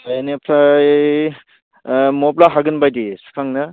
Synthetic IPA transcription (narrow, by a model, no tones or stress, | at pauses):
pʰajnepʰaj | mɔplaɦaɡɯnbajdisu̥kʰaŋnɯ